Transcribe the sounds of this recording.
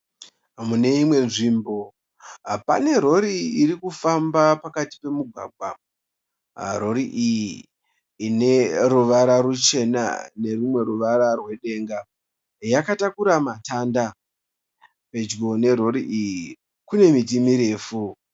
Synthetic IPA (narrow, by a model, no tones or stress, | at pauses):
mune̞imwe̞nʐiːmbo̞ | ɦapa̰ne̞ɾo̞ɾiiɾikufambapakati̥pe̞muɡʱwa̰ːɡ̚ʱwa | ɾo̞ɾiʔijiː | ne̞ruʋaɾaɾut͡ʃe̞na̰ne̞rumwe̞ɾuʋaɾarwe̞ɗe̞ŋɡa | jakatakuɾamatanda | pe̞d͡ʒɡo̞ne̞ɾo̞ɾiʔiji | kune̞mit̬imiɾe̞ːfu